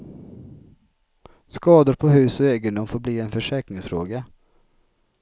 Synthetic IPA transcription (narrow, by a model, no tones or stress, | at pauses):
skɑːd̪əɾpʰɔɦʉ̟ːsɔeːɡənd̪ʊmfoːɾbliːɛnfœʂɛːknɪŋsfɾoːɡa